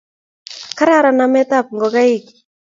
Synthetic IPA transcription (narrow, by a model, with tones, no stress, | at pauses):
ka˦ɾa˦ɾa˨na˨mɛ˦t̪a˦˨p̚ŋɡɔ˨ka˦i˦k